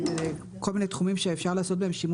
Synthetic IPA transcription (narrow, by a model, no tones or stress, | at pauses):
ze | ko̞lminet̪χumimʃeefʃaʁlaːso̞t̪̚behemʃim